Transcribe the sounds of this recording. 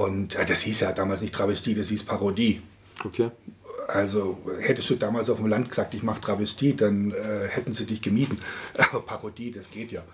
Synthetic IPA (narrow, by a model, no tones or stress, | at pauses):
ʔʊntjaːd̥ashiːsjaːdaːmaːlsnɪçtʁ̥avɛstʰiːd̥ashiːspʰaʁodiː | okʰeːʔalzohɛtəstd̥uːdaːmaːlsaʊfm̩lant̚ɡ̥əzaːk̚tɪçmaχətʁ̥avɛstʰiːd̥anɛːhɛtn̩ziːdɪçɡ̥əmiːtn̩ʔaːbɐpʰaʁodiːdasɡ̥eːtjaː